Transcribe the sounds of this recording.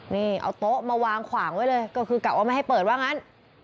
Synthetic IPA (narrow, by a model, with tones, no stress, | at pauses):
niː˥˩ʔa̰˧wt̪o˦˥ʔmaː˧waː˧ŋkʰwaː˩˦ŋwa˦˥jlɤː˧jkɔ˥˩kʰɯː˧ka˨˩p̚waː˥˩ma˥˩jha˥˩jpɤː˨˩t̪̚waː˥˩ŋa˦˥n